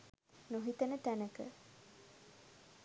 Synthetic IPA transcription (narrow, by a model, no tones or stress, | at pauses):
noɦit̪ɐnət̪ænəkə̰